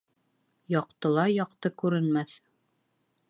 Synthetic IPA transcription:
jɑqt̪ɤ̆lˠɑjɑqt̪ɤkʉɾɘ̆nmæθ

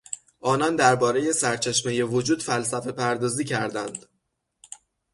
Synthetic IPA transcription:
ʔɒːnɒnd̪æɾbɒːɾe̞je̞sæɾt͡ʃʰe̞ʃmeje̞vod͡ʒuːd̪̥fælsæfe̞pʰæɾd̪ɒːziːcʰæɾd̪ænd̪

